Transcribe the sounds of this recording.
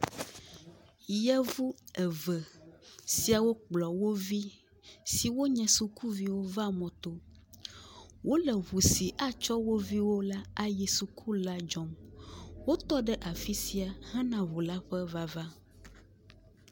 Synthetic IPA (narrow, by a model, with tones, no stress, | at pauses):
jɛ˦vu˦ɛ˨və˨si˦a˨wo˦k͡plɔ˨wo˦vi˦ | si˨wo˦ɲɛ̃˨su˨ku˦vi˦wo˦va˦mɔ̃˨t̪o˦ | wo˦lɛ˨βu˨si˨ʔa˦t͡ʃɔ˦wo˦vi˦wo˦la˦a˨je˨su˨kʰu˦la˦d͡ʒɔ˦mwo˦t̪ɔ˦ɖɛ˦ʔa˨fi˦si˦a˨hã˦nã˨βu˨la˦ɸɛ˦va˦va˦